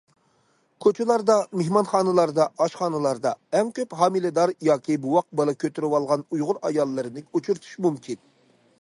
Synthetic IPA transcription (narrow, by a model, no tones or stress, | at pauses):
kʰot͡ʃʰɪlˠɑɾd̪ɑmehmɑnχɑːnɨlˠɑɾd̪ɑʔɑʃχɑːnɨlˠɑɾd̪ɑɛŋkʲʰøphɑːmilɨd̪ɑɾjɑːkʲʰibuwɑq̚bɑlˠɑkʲʰøt̪ʰyɾɪwɑlˠʁɑnujʁʊɾɑ̰jɑlˠːɨɾɨnɪut͡ʃʰuɾt̪ʰu̥ʃmumkʲʰin